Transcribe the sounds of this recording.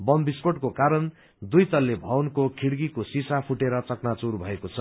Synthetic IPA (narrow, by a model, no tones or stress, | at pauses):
bʌmbispoʈkokaɾʌn | d̪ujt̪ʌlːebʱʌwnkokʰiɽɡikosisapʰuʈeɾʌt͡sʌknat͡suɾbʱʌekot͡sʰʌ